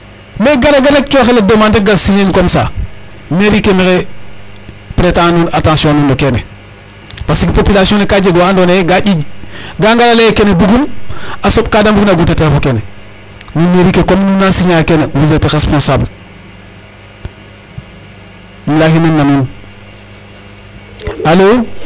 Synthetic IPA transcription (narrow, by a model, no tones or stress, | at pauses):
meɡaɾeɡaɾek̚t͡ʃoxeladomaːndeɡalsiɲenkomsa̰ː | meɾikemexe | pɾetanunatãːnsjõnundokenḛ | pasikipopilasiõnekad͡ʒeɡoandoneɡaɟiɡaŋɡalalejkenebuɡumasop̚kaːdambuɡunaɡutetefokene | nimeɾikekomnunːansiɲajkenewizeteɾespõnsaːbl | mulaːhinenːanun | haloː